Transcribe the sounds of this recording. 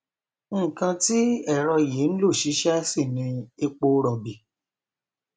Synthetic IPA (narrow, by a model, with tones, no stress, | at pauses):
ŋ̩˦˨kã˧ti˦ɛ˦˨ɾɔ˧je˨˦n̩˦lo˦˨ʃi˨˦ʃɛ˦si˦˨nĩ˧e˧k͡po˧ɾɔ˨bi˨